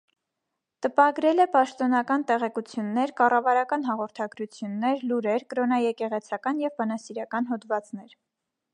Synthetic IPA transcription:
t̪əpɑɡɾɛlɛpɑʃt̪ɔnɑkɑnt̪ɛʁɛkut͡sʰjunːɛɾkɑrɑvɑɾɑkɑnɦɑʁɔɾt̪ʰɑɡɾut͡sʰjunːɛɾluɾɛɾkɾɔnɑjɛkɛʁɛt͡sʰɑkɑnjɛvbɑnɑsiɾɑkɑnɦɔd̪vɑt͡snɛɾ

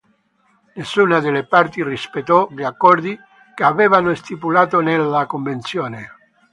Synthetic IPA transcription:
nesːuːnad̪elepart̪irispet̪ːɔʎakːɔrd̪i | keavɛːvanost̪ipulaːt̪onelːakoɱvent̪sjoːne

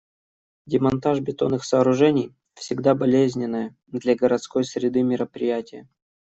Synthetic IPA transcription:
dʲɪmɐnt̪aʐbʲɪt̪o̞nːɨxsəːɾʊʐɛnʲɪj | fsʲɪɡd̪abɐlʲezʲnʲɪnːəjə | d̪lʲaɡəɾɐt̪sko̞jsʲɾʲɪd̪ɨmʲɪɾəpɾʲɪjætʲɪjə

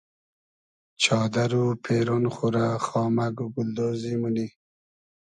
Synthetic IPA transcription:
t͡ʃʰɑːd̪aɾupʰeɾonχuɾaxɑːmaɡuɡʊld̪ozimuni

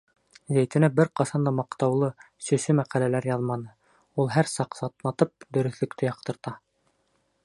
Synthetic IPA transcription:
zæjt̪ɘ̆næbɘɾqɑsɑnd̪ɑmɑqt̪ɑwlˠɤ | sɵ̆sɵmæqælælæɾjɑðmɑnɤ | ulˠɦæɾsɑqsɑt̪nˠɑt̪ɤp̚d̪ɵ̆ɾɵ̆θlɵ̆kt̪ʰɘjɑqt̪ɤ̆ɾt̪ɑ

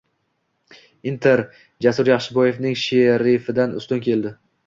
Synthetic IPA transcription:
ɪnt̪ʰeɾ | d͡ʒasʊɾjaχʃɪbɒje̞vnɪŋʃeɾɪfɪd̪anʊ̰st̪ʊnkʲʰe̞ld̪ɪ

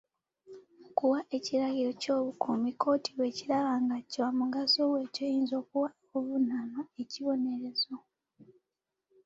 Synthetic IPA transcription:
okuwaʔe̞ciɾaɡiɾo̞co̞ːβukʰomikʰo̞ːtʰiβwe̞ːcilaβaŋɡacamuɡasowe̞ːcojiːnzo̞ːkuwa | uvunanae̞ciβo̞ne̞ɾe̞zo̞

